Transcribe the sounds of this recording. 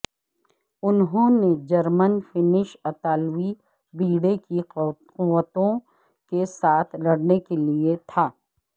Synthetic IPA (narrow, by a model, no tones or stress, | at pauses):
ʊnɦõːned͡ʒɐɾmənfɪnɪʃɐt̪aːlwi | biːɽeki | qʊʋːət̪õ | kesaːt̪ʰlɐɽnekeliet̪ʰaː